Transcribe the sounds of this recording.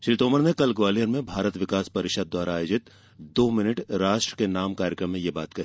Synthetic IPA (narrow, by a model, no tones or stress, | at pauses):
ʃɾiːt̪oːməɾnekɐlɡʋaːlijəɾmẽbʱaːɾət̪ʋɪkaːspɐɾɪʃad̪̚ːwaːɾaaːjod͡ʒɪt̪ | d̪oːmɪnəʈɾaːʃʈɾə̥kenaːmkaːɾjəkɾəmːẽjebaːt̪kɐɦiː